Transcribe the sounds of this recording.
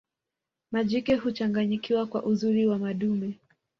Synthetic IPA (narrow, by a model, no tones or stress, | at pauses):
maʄikɛɦut͡ʃaŋɡaɲikiwakwaʔuzuɾiwamaɗumɛ